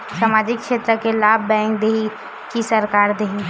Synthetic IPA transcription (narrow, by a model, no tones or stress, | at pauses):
saːmaːd͡ʒɪkːʃeːt̪ɾəkelaːbʱbɛ̃ːŋkd̪eːɦi | kisəɾkaːɾd̪eːɦi